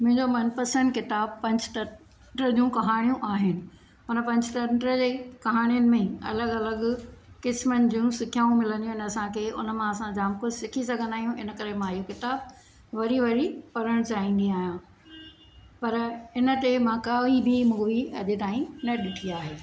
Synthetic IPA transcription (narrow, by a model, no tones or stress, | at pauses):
mʊ̃ɦɪ̃ɲd͡ʑomɐnpəsənkɪt̪aːb̚pɐ̃ɲd͡ʑʈɐ | ʈɾəd͡ʑũkɐɦaːɽ̃ijũʔaːɦɪnɪ̆ | ʊnə̆pɐ̃ɲd͡ʑʈ̪ɐɳʈɾəd͡ʑeːkɐɦaːɽ̃ijənɪ̆mẽɐ̰ləɡɐləɡkɪsmənɪ̆d͡ʑũsɪkʰjaːũmɪlə̃nd̪ijũɪnɐsãkʰeːʔʊ̰nə̆mãɐsãd͡ʑaːmkʊsɪkʰisɐɡʱə̃nd̪aːɦijũʔɪnə̆kɐɾemãɪjokɪt̪aːb̚ | ʋɐɾiʋɐɾipɐɾəɽ̃t͡ɕaːɦĩːn̆d̪iaːɦijã | pɐɾɪnə̆t̪emãkɐʋibʱimũːʋiɐ̰ʄet̪aːĩnɐɗɪʈʰiaːɦeː